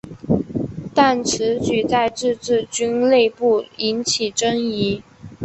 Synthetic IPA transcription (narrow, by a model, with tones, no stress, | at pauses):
t̪a˥˩nʈ͡ʂʰɻ̩˧˥t͡ɕy˨˩t͡sa˥˧ɪʈ͡ʂɻ̩˥˧t͡sɻ̩˥˩t͡ɕy˥nle˥˧ɪpu˥˩i˧˥nt͡ɕʰi˨˩ʈ͡ʂɤ˥ŋi˧˥